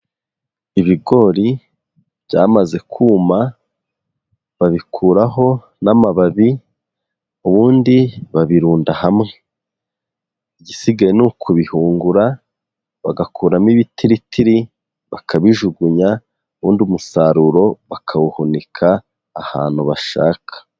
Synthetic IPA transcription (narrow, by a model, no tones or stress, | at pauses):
iβiɡo̞ɾi | β̥ɟaːmaze̞kʰuːma | βaβikʰuːɾaɦo̞ | namaβaβi | uβuːndiβaβiɾuːndahamŋe | ɟisiɡajenukʰuβihuːŋɡuɾa | βaɡakʰuːɾamiβitiɾitʰiɾi | βakʰaβiʒuɡuɲa | uβuːndumusaɾuɾo̞βakʰawuhunikʰaː | ha̰ːn̥huβaʃa̰ːkʰḁ